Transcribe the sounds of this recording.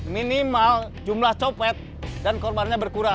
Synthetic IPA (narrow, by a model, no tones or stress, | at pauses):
minimal | d͡ʒumlaht͡ʃopɛt̪̚ | dankɔrbanɲabərkuɾa